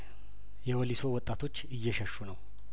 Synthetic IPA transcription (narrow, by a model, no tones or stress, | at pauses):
jɛwɔliso̞wɔt̪ʼːat̪ʰo̞t͡ʃːɨjːɛʃəʃːunəw